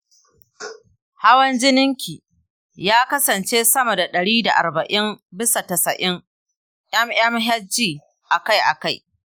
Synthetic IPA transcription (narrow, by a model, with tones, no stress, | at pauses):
ha˦wɐ˦nd͡ʒɪ˦nɪ˦ŋkʲiː˨ | jaː˦kɐ˦sɐ˨nt͡ʃeː˦sɐ˦mɐ˨da˨ɗɐ˨ɽiː˦da̰˨ʔa̰˨rbɐ˨ʔɪ˦mbɪ˦sa˨tɐ˨sɐ˨ʔɪ˦ŋ | ʔj̰ɐ˦mj̰ɐ˦mɦɛ˦d͡ʒiː˦˨ | ʔa˨ka˦jʔa̰˨ka˦˨j